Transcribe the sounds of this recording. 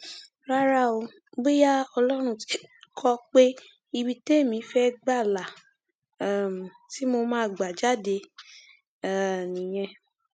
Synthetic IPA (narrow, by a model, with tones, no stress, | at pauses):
ɾa˦ɾa˦˨o˧˦ | ɡ͡be˦ja˦ɔ˧lɔ˦ɾ̃ũ˧ti̥˦kʰɔ˦k͡pe˦ | i˧bi˧te˦˨mĩ˨˦fɛ˦ɡ͡ba˦˨la˨˦˨ | m˨ti˦mo˧mãː˦˨ɡ͡ba˨d͡ʒa˨˦de˧ | a˦˨nĩ˨j̃ɛ̃˧